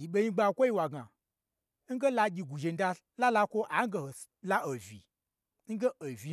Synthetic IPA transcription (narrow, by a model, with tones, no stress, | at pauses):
ji˨ɓe˦ɲi˦ɡ͡ba˧˨kʷo˦ji˦wa˨ɡa˨ | ŋ̩˦ɡe˦la˧ɡʲi˧ɡʷu˨ʒe˨n̩˦da˧ | la˦la˧kʷo˦ʔa˨˦ɡe˧ho˨ | la˦o˨vʲḭ˨ | ŋ̩˦ɡe˦o˨vʲi˨